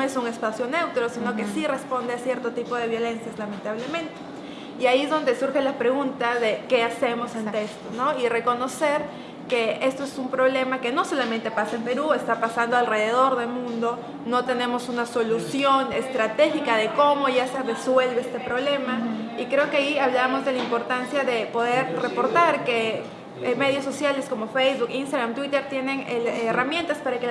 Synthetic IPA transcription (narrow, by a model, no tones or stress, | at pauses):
esuŋe̞spasjo̞ne̞wt̪ɾo̞sinokesire̞spo̞nd̪e̞asje̞ɾt̪ot̪ipo̞ð̞e̞βjo̞le̞nsjazlament̪aβ̞le̞mẽ̞nt̪e̥ | iaiezðo̞nd̪e̞suɾxe̞lapɾe̞ɣunt̪azðe̞ke̞ase̞mo̞sent̪e̞kst̪ono̞ire̞ko̞no̞se̞ɾ | ke̞e̞st̪o̞esumpɾo̞βle̞make̞no̞so̞lamẽnt̪e̞pasaempe̞ɾue̞st̪apasand̪oalre̞ð̞e̞ð̞o̞ɾðe̞lmũnd̪o̞ | no̞t̪e̞ne̞mo̞sunaso̞lusjo̞ne̞̰st̪ɾat̪e̞xikaðe̞ko̞mo̞ʝase̞re̞swe̞lβeest̪e̞pɾo̞βle̞maikɾe̞o̞ke̞aiaβlaβmo̞zðe̞laimpo̞ɾt̪ansjaðe̞po̞ðe̞ɾre̞poɾt̪aɾke̞ | me̞ðjosːo̞sjale̞sko̞mo̞fejzβukinst̪aɣɾamt̪wit̪e̞ɾt̪je̞ne̞neeramjẽ̞nt̪aspaɾake